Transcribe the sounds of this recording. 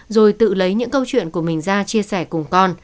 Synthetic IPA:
zo˨˩jt̪ɨ̰˧˨lə˨˦jɲɨ̰˧˥ŋkə˧wt͡ɕwḭ˧˨ənku˧˩əmï˨˩ŋ̟zaː˧t͡ɕi˧əsɛ˧˩kʊ˨˩ŋ͡mkɔ˧n

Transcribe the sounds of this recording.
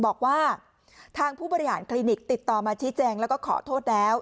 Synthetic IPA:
bɔː˨˩k̚waː˥˩ | t̪ʰaː˧ŋpʰuː˥˩bɔː˧ɾi˦˥ha̰ː˩˦nkʰliː˧ni˨˩k̚t̪i˨˩t̪ːɔː˨˩maː˧t͡ɕʰi˦˥t͡ɕɛː˧ŋlɛ˦˥wkɔː˥˩kʰɔ̰ː˩˦t̪ʰoː˥˩t̪̚lɛː˦˥w

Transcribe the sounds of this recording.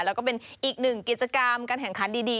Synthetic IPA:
lɛː˦˥wkɔ˥˩pe˧nʔiː˨˩k̚nɯ˨˩ŋki˨˩t̪̚t͡ɕa˧ka˧mkaː˧nkʰɛ˨˩ŋkʰa˦˥ndiː˧diː˧

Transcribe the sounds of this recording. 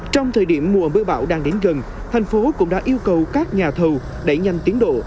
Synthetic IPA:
t͡ɕɔ˧wŋ͡mt̪ʰəː˨˩jɗi˧˩əmːu˨˩əɓɨ˧əɓa̰ː˧˩wɗaː˧ŋɗe˨˦nɣə˨˩n | t̪ʰa˨˩jŋ̟fo˨˦kʊ̰˧˥ŋ͡mɗa̰ː˧˥ʔi˧əwkə˨˩wkaː˦˥k̚ɲaː˨˩t̪ʰə˨˩w | ɗe˧˩ɲa˨˧˩jŋ̟t̪i˨˦ənɗo̰˧˨

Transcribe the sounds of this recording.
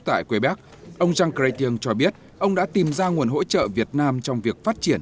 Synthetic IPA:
t̪a̰ː˧˨jkwe˨˦ɓaː˦˥k̚ | ʔə˧wŋ͡mzaː˧ŋka˧jt̪i˧əŋt͡ɕɔ˧ɓi˦˥ət̚ | ʔə˧wŋ͡mɗa̰˧˥t̪i˨˩mzaː˧ŋu˨˩ənɦo̰˧˥t͡ɕə̰ː˧˨vi˨˩ət̚naː˧mt͡ɕɔ˧wŋ͡mvi˨˩ək̚faː˦˥t̚t͡ɕi˧˩ən

